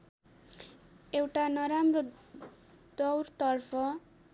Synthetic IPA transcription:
ewʈanʌɾamro | d̪ʌwrt̪ʌrpʰʌ

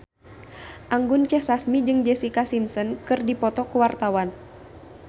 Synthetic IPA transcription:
ʔaŋɡunt͡ʃɛhsasmid͡ʒɨŋd͡ʒɛsikasimsɔnkɨrdipɔt̪ɔkuwart̪awan

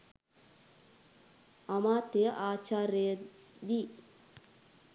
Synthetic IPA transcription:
ɐmaːt̪ejəʔaːt͡ʃaːɾəjəd̪i

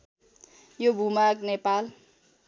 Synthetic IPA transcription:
jobʱumaknepal

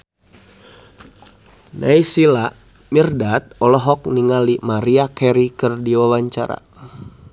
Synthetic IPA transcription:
nʔaisila | mirdat̪̚ɔlɔɦɔk̚niŋalimaɾiakɛɾikɨrdiɔwaɲt͡ʃa̰ɾa̰

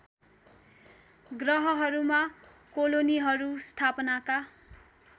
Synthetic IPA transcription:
ɡrʌɦʌɦʌɾuma | koloniɦʌɾust̪ʰapnaka

